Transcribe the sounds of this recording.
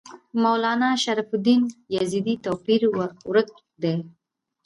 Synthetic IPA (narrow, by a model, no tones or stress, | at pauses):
mawlɑnɑʃaɾafʊd̪injazid̪it̪opiɾwɾək̚ | d̪e